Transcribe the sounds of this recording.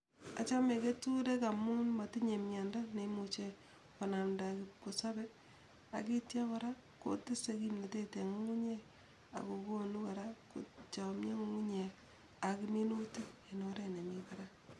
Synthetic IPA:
a˨t͡ʃa˦me˨ke˦tu˦ɾe˦ka˨mu˦nma˨ti˦ɲe˨mja˨nda˦nemut͡ʃe˨ | ka˨na˨mdakɪp̚ko˨sa˦bɛ˦ | a̰˨ki˦tja˦kaɾa˦ | ko̰˦tɪ˦se˦ki˦mne˨te˦te˨ŋu˦ŋu˦ɲe | a̰˨ko˨ko˦nu˦ka˨ɾa˦kṵ˨t͡ʃa˨mɲe˦ŋu˦ŋu˦ɲe˨ | a˨kɪ˦mi˦nu˦ti˦e˨no˦ɾe˦ne˨mika˨ɾa˦

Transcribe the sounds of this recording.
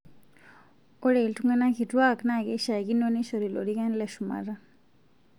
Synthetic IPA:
ɔ˦ɺe˨ltʰuŋana˦kʰi˨ʈ͡ʂuwa˦kna˦˨kɛ˦ʃa˨kino˦ni˦ʃo˨ɾi˨lo̰˨ɽika˦nleʃuma̰ɾa˦

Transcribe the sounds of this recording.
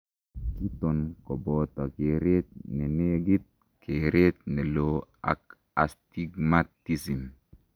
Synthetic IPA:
ki˦t̪o˨nko˨bo˨t̪a˨ke˨ɾe˦t̪̚ne˨ne˦ɡi˦t̪̚ | kʰe˨ɾe˦t̪̚ne˨loa̰˨k | a˨st̪iɡmat̪isi˨m

